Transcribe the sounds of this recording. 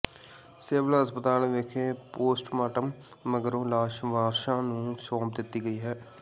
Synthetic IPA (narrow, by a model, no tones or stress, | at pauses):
seːʋəlɦəspət̪aːlʋekʰeːpoːsʈmaːʈəmː | əɡəɾõːlaːʃʋaːɾʃãːnũːsɔ̃ːmp̚d̪ɪt̪ːiːɡəiːɦɛː